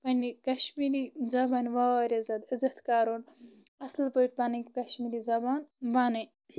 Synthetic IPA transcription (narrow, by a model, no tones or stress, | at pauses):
pɐnʲikɐʃmiːɾizɐbaːnʋaːʋɾʲezɐt̪ɨzɐt̪kaːɾon | ɐslpoiʈ̚pɐnɐkʲkɐʃmiːɾiːzɐbaːnʋaːnɨ